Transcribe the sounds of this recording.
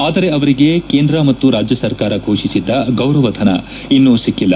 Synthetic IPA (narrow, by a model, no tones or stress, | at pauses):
aːd̪ɐɾeɐʋɐɾiɡe̞keːnd̪ɾɐmɐt̪ːuɾaːd͡ʒjɐsɐɾkaːɾɐɡʱoːʃisid̪ːɐɡɐwɾɐʋɐd̪ʱɐnɐ̰ | inːuːsikːilːɐ